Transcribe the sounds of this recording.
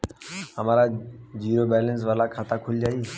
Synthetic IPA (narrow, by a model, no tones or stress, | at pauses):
ɦəmaːɾad͡ʒiːɾobɛːləns̬ʋaːlakʰaːt̪akʰʊld͡ʒaːiː